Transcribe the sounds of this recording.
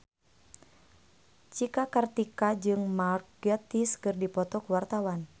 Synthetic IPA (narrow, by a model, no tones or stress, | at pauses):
t͡ʃikakərt̪ikad͡ʒɨŋmarkɛt̪iskɨrdipɔt̪ɔkuwart̪awan